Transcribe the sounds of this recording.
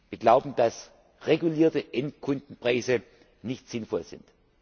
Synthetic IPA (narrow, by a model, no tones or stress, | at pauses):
viːɐɡlaʊbm̩d̥as | ʁeɡuliːɐtəʔɛntkʰʊndn̩pʁ̥aɪzə | nɪçtz̥ɪnfɔlzɪ̰nt